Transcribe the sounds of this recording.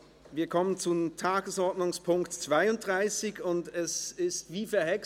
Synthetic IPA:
viːɐkʰɔmənt͡sutʰaːɡəsʔɔɐtnʊŋspʰʊŋktt͡sv̥aɪʊnt̚d̥ʁaɪsɪçʊntɛsɪstv̥iːfɛɐɦɛk

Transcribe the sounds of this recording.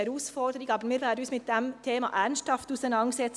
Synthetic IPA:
ɛɾuːsfɔɾdəɾɪɡɑːbəɾmiːɾʋɛːɾdənyːsmɪt̚d̥ɛmt̪ʰeːmɑ̰ʔæɾnsthɑftusænɑnsɛt͡s

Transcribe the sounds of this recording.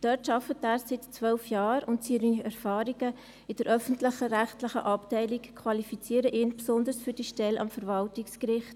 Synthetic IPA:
d̥œtʃɑfətæːssɪtt͡sʋœlfjɑːɾʊntsiɾiɛɾfɑːɾiɡə | ɪd̥əɾʔœfn̩tlɪχəɾæχtləχə̰ʔɑptɛɪlikkʰwɑlifit͡siəɾəʔɪːnpsʊnd̪əɾsfyɾdiːʃtɛlʔɑ̰mfəɾvɑltikskɾɪχt

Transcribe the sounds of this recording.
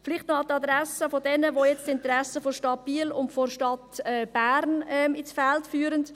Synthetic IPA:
fɪlɪχtnɔɑtɑd̪ɾɛsəfodɛnəʋojɛt͡stɪnt̪ɾɛsəfɔɾʃtɑt̚b̥iːlʊntfɔɾʃtɑtɛb̥æːɾnɛmisfɛltfyːɾənt

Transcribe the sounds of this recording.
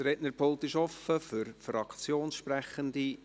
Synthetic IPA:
ɾɛtnəɾpʰolˠt̪ɪʃɔfəfʏɾfrɑkt͡sjoːnsʃprɛχəndi

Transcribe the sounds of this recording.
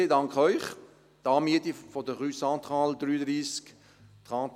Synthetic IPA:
edɑŋkχœʏχ | d̥̪ɑːmiətifɔdəχyːsɑ̃t̪χɑːld̪ryːədɾiːsk | t̪χɑː

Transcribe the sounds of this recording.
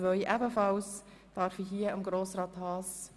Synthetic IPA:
ʋœʏʔæbəfɑls | d̥ɑɾfiɦiəəmɡɾoːsɾɑːt̪hɑːs

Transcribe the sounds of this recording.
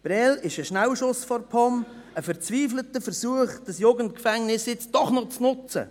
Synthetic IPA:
b̥ɾɛlɪʃəʃnæwʃʊsfɔrpʰɔm | əfəɾt͡sviːflətəfəɾsuːəχd̥ɑsjoɡəntkfɛŋnɪsjɪt͡sd̥ɔχnɔt͡snʊt͡sə̰

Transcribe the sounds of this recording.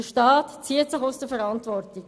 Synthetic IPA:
əʃtɑːtt͡siət͡sʊxoʊsd̥əfɛɾɑntʋɔrtik

